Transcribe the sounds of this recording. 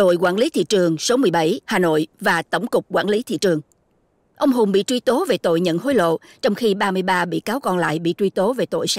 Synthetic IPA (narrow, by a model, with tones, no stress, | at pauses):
o̰˧˨jkwa̰ː˧˩nli˨˦t̪ʰḭ˧˨t͡ɕɨ˨˩əŋso˨˦mɨ˨˩əjɓə˧˩jhaː˨˩no̰˧˨jvaː˨˩t̪ə˧˩wŋ͡mkʊ˨˩k͡p̚kwaː˧˥nli˨˦t̪ʰḭ˧˨t͡ɕɨ˨˩əŋ | ʔə˧wŋ͡mɦʊ˨˩ŋ͡mɓḭ˧˨t͡ɕwi˧t̪o˨˦ve˨˩t̪o̰˧˨jɲə̰˧˨nɦo˨˦jlo̰˧˨t͡ɕɔ˧wŋ͡mxi˧ɓaː˧mɨ˧əjɓaː˧ɓḭ˧˨kaː˨˦wkɔ˧nla̰ː˧˨jɓḭ˧˨t͡ɕwi˧t̪o˨˦ve˨˩t̪o̰˧˨js